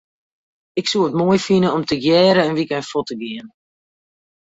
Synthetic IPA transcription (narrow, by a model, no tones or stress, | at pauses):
ɪksuəətmoəjfinəɔmtəɡjɛːɾəənʋikɛjnfɔtəɡiən